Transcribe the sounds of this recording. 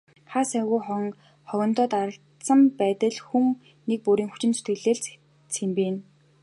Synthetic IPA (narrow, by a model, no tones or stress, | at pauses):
χaːsæɣujχɔŋ | χɔɣʲɞ̆nt̪ɔːt̪aɾə̆ɬt̪sə̆mpæːt̪ə̆ɮxuŋ | nek̚puɾiːŋxu̥t͡ɕɪ̆nt͡sut̪ɡɘ̆ɮeːɮ | t͡sempeːn